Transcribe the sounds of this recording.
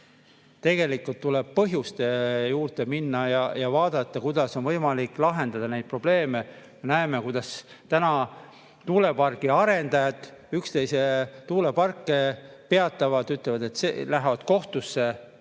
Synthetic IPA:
t̪e̞ɡe̞likːult̪ːuleb̥̚pɤɦjust̪ejuːɾt̪e̞minːɑjɑjɑvɑːd̪̥ɑt̪ˑːɑkujd̪̥ɑso̞nvɤjmɑlikˑlɑɦe̞nd̪ɑd̪ɑne̞jd̪̚pro̞b̥le̞ːme̞ | me̞næeme̞kujd̪̥ɑs | t̪ænɑ | t̪uːle̞pɑrkiɑɾe̞nd̪ɑjɑd̪ˑykst̪e̞jset̪uːle̞pɑrkˑːepe̞ɑt̪ːˑɑvɑd̪̥yt̪ːˑlevɑd̪e̞t̪sḛlæɦvɑd̪̥ko̞ht̪usːe̞

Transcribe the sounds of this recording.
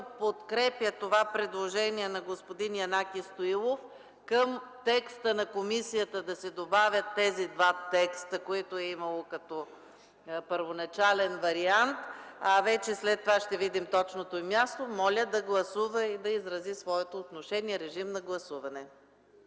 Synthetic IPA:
pot̪kɾɛpjət̪ovapɾɛd̪lˠoʒɛniɛnɐɡospod̪injɐnakist̪oilˠof | kəmt̪ɛkst̪ənɐkomisijət̪əd̪ɐsɛd̪obavʲjət̪ːɛzid̪vat̪ɛkst̪əkoit̪oɛimɐlˠokɐt̪ɔ | pəɾvonɐt͡ʃalɛnvɐɾiant̪ɐvɛt͡ʃɛslɛt̪ːovaʃt̪ɛvid̪imt̪ɔt͡ʃnot̪oimjast̪omɔlʲəd̪ɐɡlˠɐsuvəid̪ɐizɾɐzisvɔɛt̪oːt̪noʃɛniɛɾɛʒimnɐɡlˠɐsuvɐnɛ

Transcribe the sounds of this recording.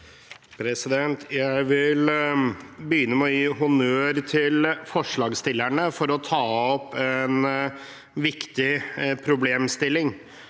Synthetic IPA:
pʰɾɛsɪd̪ɛnt̪jæɪʋɪl | bəjʏnːəmɛɔjiːɦʊnøːɾt̪ʰɪlfɔʂɭɑːɡst̪ɪlːæɳəfɔɾɔt̪ʰɑːɔpːɛn | ʋɪkt̪ɪpʰɾʊbleːmst̪ɪlːɪŋ

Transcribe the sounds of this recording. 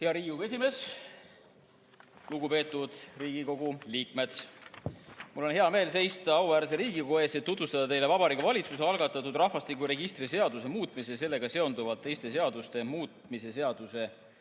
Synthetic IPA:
heɑɾiːue̞s̬ʲime̞ːs | luɡupe̞ːt̪ːˑud̪̥riːɡiko̞ɡ̥uliːkme̞d̪̥ | mulːonɦeɑme̞ːlse̞jst̪ɑɑuvæːɾseɾiːɡiko̞eset̪tːut̪vust̪ɑd̪̥ɑt̪e̞jle̞vɑbɑɾikɑvɑlʲit̪suse̞ɑlɡɑt̪ːˑɑt̪ːˑud̪rɑhfɑst̪ikuɾe̞ɡist̪ɾise̞ɑd̪use̞muːt̪ˑmis̬ese̞lːe̞ɡ̥ɑse̞o̞nd̪uvɑlt̪ːe̞jst̪e̞s̬e̞ɑd̪̥ust̪e̞muːt̪mise̞se̞ɑd̪̥use̞

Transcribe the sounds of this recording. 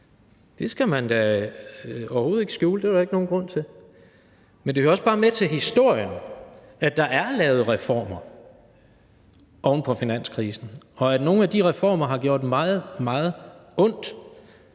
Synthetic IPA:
d̥e̝sɡ̥æmænd̥æ | ɒʊɐhoːð̞̩ˠe̝ɡ̥sɡ̥juːləd̥e̝æɾae̝ɡ̥no̝ːn̩ɡ̥ʁɔ̽n̰t͡sʰe̝l | mend̥e̝høɐɒ̽sb̥ɑ̈ːmet͡sʰe̝lɦisd̥o̝ɐ̰jən | æd̥ɑ̈ʔæɐlɛːʊð̞̩ˠʁɛfɒ̰ːmɐ | ʔɒʊnəpʰɒ̽finæn̰skʰʁiːsn̩ | ɒ̽æno̝ːn̩æd̥iʁɛfɒ̰ːmɐɦɑ̈ɡ̥jo̝ɐ̰d̥ːemɑ̈ːð̩ˠmɑ̈ːð̞̩ˠɔ̽n̰d̥

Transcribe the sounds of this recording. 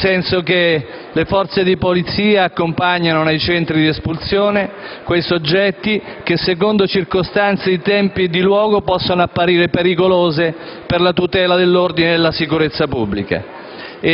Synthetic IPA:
sɛnsoke | lefɔrt̪sed̪ipolit̪siːaːkːompaɲːanonajt͡ʃɛnt̪ɾid̪iespult̪sjoːnekwejsod͡ʒːɛt̪ːik̟esːek̬ond̪ot͡ʃirkost̪ant̪sed̪it̪ɛmpid̪ilwɔːɡopɔsːonoapːaɾiːɾepeɾikoloːze | perlat̪ut̪ɛːlad̪elːord̪ineelːasikuɾet̪sːapubːlika̰

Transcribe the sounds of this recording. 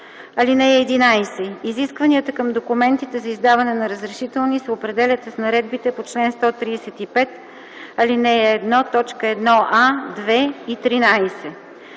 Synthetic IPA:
ɐlinɛɛːd̪inajsɛiziskvɐniət̪əkəmd̪okumɛnt̪it̪ɛzɐizd̪avɐnɛnɐɾəzɾɛʃit̪ɛlˠnisɛopɾɛd̪ɛlʲət̪əsnɐɾɛd̪̚bit̪ɛpot͡ʃlɛnst̪ɔt̪ɾiːsɛt̪ipɛt̪ | ɐlinɛɛːd̪nɔt̪ɔt͡ʃkəɛd̪nɔʔad̪vɛit̪ɾinajsɛ

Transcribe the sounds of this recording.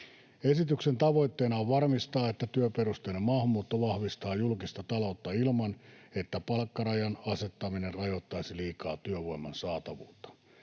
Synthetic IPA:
e̞sit̪yksent̪ɑʋo̞jt̪ːeːnɑʋʋɑrmist̪ɑːet̪ːæt̪yøperust̪eːlemɑːhɑmːuːt̪ːoʋɑhʋist̪ɑːjulkist̪ɑt̪ɑlo̞ut̪ːɑilmɑnet̪ːæpɑlkːɑrɑjɑnɑset̪ːɑminerrɑjo̞t̪ːɑjsiliːkɑːt̪yøʋo̞imːɑnsɑːt̪ɑʋṵːt̪ːɑ̥

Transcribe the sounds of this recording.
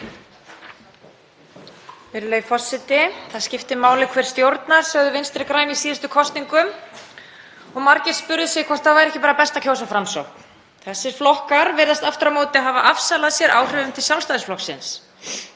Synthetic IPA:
vɪɾleːjfɔrsːɪt̪ɪθaðscɪft̪ɪmaːwlɪkʰvɛɾ̥st̪jowɾt̪naɾ̥sœːɣðʏvɪnst̪ɾɪkɾaːjmisiːðast̪ʏkʰɔst̪niŋkʏm | ɔɣmaɾcɪɾ̥spʏɾðʏsɛkʰɔ̥t̪θavaɾɛhcɪpaːɾapɛst̪acʰoːwsafɾamsowkn̥ | θɛsːɪɾ̥flɔhkaɾvɛɾðast̪aft̪ɾamoːt̪ɪaɦaːvaʔafsalaðsjɛɾʔa̰ːwr̥œːðʏmt̪ʰɪlsjawlst̪ajðɪsflɔhksɪ̰ns

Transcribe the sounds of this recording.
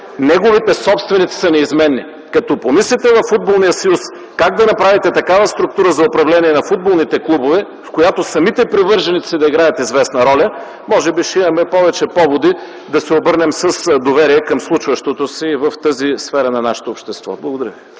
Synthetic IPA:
nɛɡovit̪ɛsɔpst̪vɛnit̪si̥sɐnɛizmɛnːi | kɐt̪ɔpomislit̪ɛvɐfːud̪̚bolˠnijəsɐjus | kaɡ̚d̪ɐnɐpɾavit̪ɛt̪ɐkavəst̪ɾʊk̚t̪uɾəzɐopɾɐvlɛniɛnɐfud̪̚bolˠnit̪ɛklˠubovɛ | fkojat̪osɐmit̪ɛpɾivɤɾʒɐnit̪sid̪ɐiɡɾajət̪izvɛsnɐɾɔlʲɐ | mɔʒɛbiʃɛimɐmɛpɔvɛt͡ʃɛpɔvod̪i | d̪ɐsɛobɤɾnɛmsəsd̪ovɛɾiɛkɐmslˠut͡ʃvɐʃt̪ot̪osivəft̪əzisfɛɾɐnɐnaʃɛ̥t̪oːpʃt̪ɛst̪vɔ̰blˠɐɡod̪ɐɾjəvi

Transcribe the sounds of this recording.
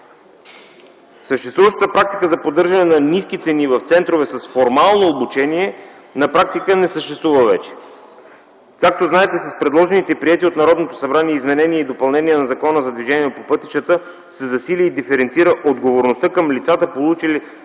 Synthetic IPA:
səʃt̪ɛst̪vuvəʃt̪ə̥t̪əpɾak̚t̪ikəzɐpod̪ɤɾʒɐnɛnɐniskit̪sɛnivɐft̪sɛnt̪ɾovɛsɐsfoɾmalˠnoːbut͡ʃɛniɛ | nɐpɾak̚t̪ikənɛsəʃt̪ɛst̪vuvəvɛt͡ʃɛ̥ | kak̚t̪oznaɛt̪ɛsɐspɾɛd̪lˠɔʒɛnit̪ɛpɾiɛt̪iot̪nɐɾɔd̪not̪osɐbɾaniɛizmɛnɛniɛid̪opɐlˠnɛniɛnɐzɐkɔnəzɐd̪viʒɛniɛpopɤt̪i̥t͡ʃət̪ə | sɛzɐsilʲiːd̪ifɛɾɛnt̪siɾəʔod̪ɡovoɾnost̪ɤkəmlit̪sat̪əpolˠut͡ʃili

